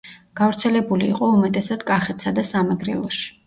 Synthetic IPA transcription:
ɡ̥avɾt̪sʰɛlɛbulḭːqʼɔumɛt̪ʼɛsad̪kʼaχɛt̪ʰsad̪asamɛɡɾɛ̰lˠɔʃi̥

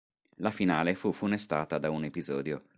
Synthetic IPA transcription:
lafinaːlefufunest̪aːt̪ad̪aunepizɔːd̪jo

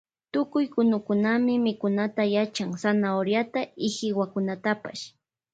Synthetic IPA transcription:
t̪ʊkʊjkʊnʊkʊnamɪmɪkʊnat̪ajat͡ʃaŋsanaoɾjat̪aɪhɪwakʊnat̪apa̰ʃ

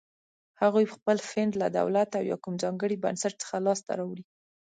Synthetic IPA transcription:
haɣujpəxpəlfɪnd̪la̰d̪a̰wlat̪awjɑ̰kumzɑŋɡəɽiba̰nsaʈ̚t͡sə̥xalɑst̪a̰ɾɑwɽi

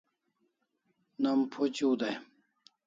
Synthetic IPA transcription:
nɐmpʰot͡ɕud̪aj

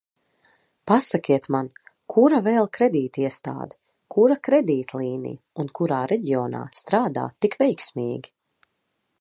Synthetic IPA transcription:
pasakʲiɛt̪mankʰuɾavɛːlˠkɾɛd̪iːt̪iɛst̪a̰ːd̪ɛ̥ | kʰuɾakɾɛd̪iːt̪lˠiːnḭj | unkuɾaːɾɛɟiɔːna̰ːst̪ɾaːd̪a̰ːt̪ikvɛjksmʲiːɡʲi

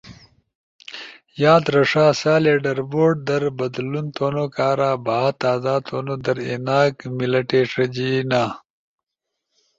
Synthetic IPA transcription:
jaːd̪ɾɐʂaːsaːleːɖɐɾboːɖ̚d̪ɐɾbɐd̪lunt̪oːnokaːɾaːbaɦat̪aːzaːt̪ʰoːnod̪ɐɾḛnaːkmilɐʈeːʂɐd͡ʑinaː

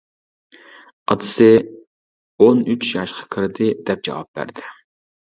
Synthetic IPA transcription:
ɑ̰d̪ɨsɪ | onyt͡ʃʰjɑʃqʰɑ̥kʲʰɪɾd̪ɪd̪̥ɛp̚d͡ʒɑ̰wɑ̰p̚b̥æ̰ɾd̪ɪ

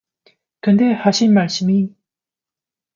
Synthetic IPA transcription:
kɯnde̞haɕʰinmaɭs͈ɯmi

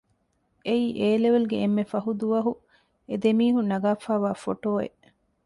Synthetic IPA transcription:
eiːʔeːleʋeluɡeemːefɐɦud̪uʋɐɦu | ed̪emiːɦunɐɡaːfaːʋaːfoʈoːḛʔ

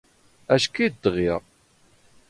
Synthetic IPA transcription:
æʃkid̪ʁiʁ

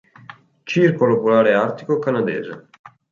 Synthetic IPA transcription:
t͡ʃirkolopulaːɾeart̪i̥kokanad̪ɛ̰ːzḛ

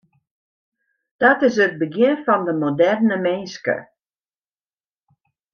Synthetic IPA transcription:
d̥ɔtɪs̬ət̚bəɡjɪnfɔndəmodɛrnəmɪnskə̰

